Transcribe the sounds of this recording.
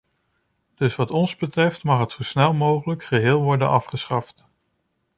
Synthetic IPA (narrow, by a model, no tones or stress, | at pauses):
d̥ɵsʋɑtɔnzbətrɛftmɑχɦətsowsnɛlˠmowχələkχəɦɪːlˠʋɔɹdə̰nʔɑfχəsχɑft